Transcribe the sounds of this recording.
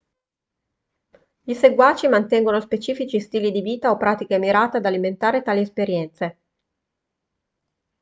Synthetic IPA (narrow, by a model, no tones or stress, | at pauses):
ʎiseɡwaːt͡ʃimant̪ɛŋɡonospet͡ʃiːfit͡ʃist̪iːlid̪iviːt̪aopːɾaːt̪ikemiɾaːt̪ead̪aliment̪aːɾet̪aːliespeɾjɛnt̪se